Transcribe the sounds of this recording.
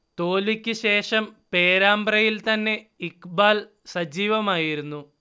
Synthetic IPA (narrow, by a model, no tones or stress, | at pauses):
t̪o̞ːlikʲːɨɕe̞ːʂɐmpe̞ːɾaːmbrɐjilt̪ɐnːe̞ikbaːl | sɐd͡ʑiːʋɐmaːjiɾunːu